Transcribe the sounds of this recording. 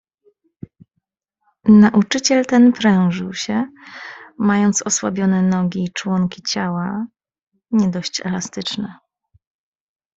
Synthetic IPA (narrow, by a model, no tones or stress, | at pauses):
naʔut͡ʂɘt͡ɕɛlt̪ɛnpɾɛw̃ʐɘwɕɛ | majɔnt̪sɔswabʲjɔnɛnɔɡʲiːt͡ʂwɔŋkʲit͡ɕawa | ɲɛd̪ɔɕt͡ɕɛ̰last̪ɘt͡ʂnɛ